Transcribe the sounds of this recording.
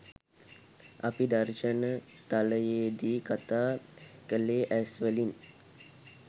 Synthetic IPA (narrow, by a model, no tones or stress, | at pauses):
apid̪aɾʃənə | t̪aləjeːd̪iːkat̪aːkəleːʔæsʋəlin